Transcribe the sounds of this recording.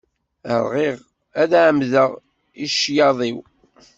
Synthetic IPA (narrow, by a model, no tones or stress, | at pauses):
ə̰ɾˤʁiʁ | æðæʕəmðəʁ | iʃjɑðˤiw